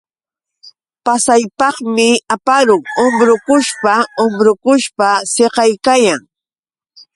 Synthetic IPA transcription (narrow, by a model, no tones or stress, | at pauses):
pasajpɑχmɪapaɾʊŋombɾʊkʊʃpaomɾʊkʊʃpaseqɑjkajaŋ